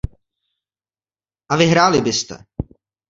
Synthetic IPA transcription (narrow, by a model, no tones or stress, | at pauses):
ʔavɪɦɾaːlɪbɪst̪ɛ̰